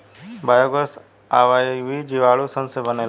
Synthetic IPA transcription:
baːjoɡəs | aːʋaːiʋiːd͡ʒiːʋaːɭusə̃nsẽbəneːl

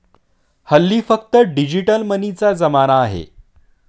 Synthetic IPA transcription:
həlːiːfək̚t̪əɖid͡ʑiʈəlmənit͡sad͡zəmanaːɦḛ

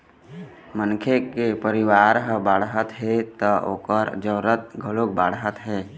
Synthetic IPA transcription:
mənkʰekepəɾɪwaːɾɦbaːɽɦət̪ɦɛt̪ɔo̰ːkəɾd͡ʒəːɾət̪̚ɡʱəlok̚baːɽɦət̪ɦɛː

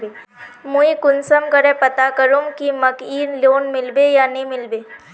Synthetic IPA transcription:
muikʊnsəmkəɾepət̪akəɾumkiməkiːɾloːnmɪlbejanɐĩmɪlbeː

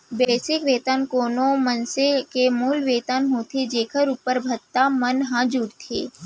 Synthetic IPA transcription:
beːsɪkʋeːt̪ankoːnõmɐnsekemuːlʋeːt̪anɦoːt̪ʰid͡ʒeːkʰəɾuːpəɾbʱɐt̪ːamənɦãd͡ʒʊɽt̪ʰḛː

